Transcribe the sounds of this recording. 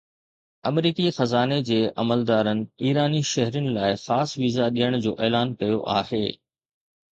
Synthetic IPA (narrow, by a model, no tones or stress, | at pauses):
ɐmɾiːkixɐzaːned͡ʑeːʔɐməld̪aːɾənɪ̆iːɾaːniʃɐɦɾiənɪ̆laːɪxaːsʋizaɗijəɽ̃d͡ʑo̰ːʔeːlaːnkɐjo̰ʔa̰ːheː